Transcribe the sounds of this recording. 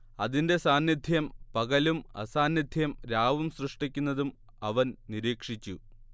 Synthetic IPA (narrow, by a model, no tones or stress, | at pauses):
ɐðinde̞saːnjid̪ʱjɐmpɐɣɐlumɐ̰saːnjid̪ʱjɐmɾaːʋumsrɨʂʈik̬ʲːunːɐðum | ɐʋɐnniɾiːkʂit͡ɕːu